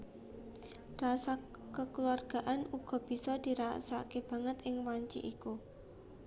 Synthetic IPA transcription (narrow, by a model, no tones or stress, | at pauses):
rasa | kəkluarɡ̥a̤ʔanuɡ̥ɔ̤b̥i̤sɔd̪̥i̤ɾa̰sa̰keb̥a̤ŋət̪ɪŋwaɲt͡ʃḭʔiku